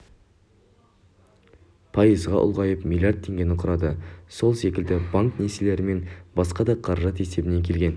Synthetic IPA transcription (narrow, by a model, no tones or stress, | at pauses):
pʰɑjəzʁɑ̰ʔʊ̰lˠʁɑjəpmʲilʲjard̪̚t̪ʰːe̞ŋɡʲe̞nɪqʰʊɾɑd̪əso̞lˠse̞kʲɪld̪ɪbaŋkne̞sele̞ɾɪme̞nbɑsqɑd̪ɑqʰɑɾɑʒɑt̪e̞se̞bɪne̞kʲʰe̞lɡʲe̞n